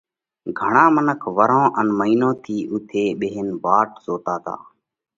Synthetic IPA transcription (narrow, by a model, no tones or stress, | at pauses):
ɡʱəɳãːmənəkʰʋəɾõːʔənməiːnõːt̪ʰiːʔʊt̪ʰeːɓeːɦenʋaːʈzoːt̪aːt̪a̰ː